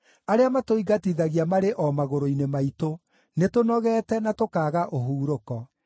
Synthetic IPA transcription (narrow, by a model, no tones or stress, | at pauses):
aɾeamatoiɡatiðaɣiamaɾeʔɔmaɣoɾoinemaito | netonɔɣɛːtɛnatokaːɣaʔoɦuːɾokɔ